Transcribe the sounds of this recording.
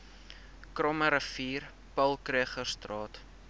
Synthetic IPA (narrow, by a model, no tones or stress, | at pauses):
krɔməɾəfiːr | pɐlˠkriəχərstrɑːt